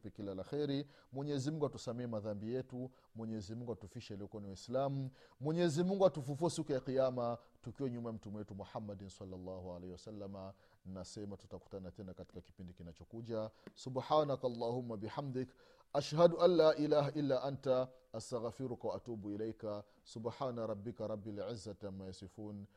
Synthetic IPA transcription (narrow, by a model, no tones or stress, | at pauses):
pɛkilːalaxɛɾi | mwɛɲɛɛzimuŋɡuatusamɛɛmaðambijɛtu | mwɛɲɛzimuŋɡuatufiʃɛliɔkniwaislamumwɛɲɛɛzimuŋɡuatufufuɛsikɔjaqijama | tukiɔɲumajam̩tumɛwɛtumuħamːadinsalːalːɑːhualɛhiwasalːama | ninasɛmatutaku̥tanatɛnakati̥kaki̥pindikinat͡ʃɔkuʄasubħaːnakalˤːaːhumːabiħamd̪ɪk | ʔaʃhaduʔalːaːʔilaːɦaʔilːaʔantaastaɣfiɾukawaʔat̪uːbuilejka | subħaːnaɾˤɑbːikaɾˤɑbːilʕɪzːatamːajasifuːn